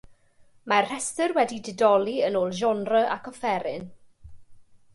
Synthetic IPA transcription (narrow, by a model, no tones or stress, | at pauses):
marr̥ɛstərwɛdidɪdɔlˠiənoːlˠʒɔnrəʔa̰kʰɔfɛɾɪn